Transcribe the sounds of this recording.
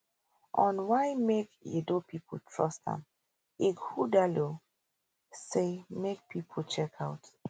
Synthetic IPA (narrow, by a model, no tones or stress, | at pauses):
ʔɔ̃nwajmekḛdopʰipʰol̩tʰɹɔstã̰m | iɡhudalo | semek̚pʰipʰolt͡ʃɛkʰawt